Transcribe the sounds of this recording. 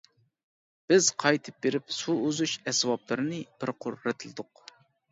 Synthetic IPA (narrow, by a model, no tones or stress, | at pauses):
b̥ɪz̥qʰɑjt̪ʰɨ̥p̚beɾɪpsuøzuʃɛswɑplˠɨɾɨnɨb̥ɪɾqʰʊɾːɨt̪ʰɨlˠɨd̪ʊq